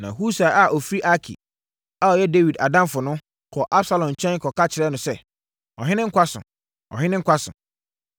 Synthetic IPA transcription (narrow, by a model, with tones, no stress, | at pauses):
nã̰˨ɦu˦sa˨a˨ʔɔ˨fi˦ɾi˦ʔa˦kʰḭ˨ | a˦ɔ˨jɛ˦de˦wi˨da˨dã˦mfʊ˨nʊ̃˦ | kʰɔ˨ʔa˦bsa˦lɔ̃˨m˨t͡ɕʰɛ̃˦n˦kʰɔ˨ka˦t͡ɕʰɪ˨ɾɛ˦nʊ̃˨sɛ˦ | ɔ˨ɦɪ̃˦nɪ̃˦ŋ̩˦kʷʰa˦sʊ̰̃˨ | ɔ̰˨ɦɪ̃˦nɪ̃˦ŋ̩˦kʷʰa˦sʊ̰̃˨